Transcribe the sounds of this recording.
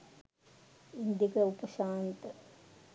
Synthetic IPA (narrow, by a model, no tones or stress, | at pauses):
ind̪jikɐupɐʃaːnt̪ɐ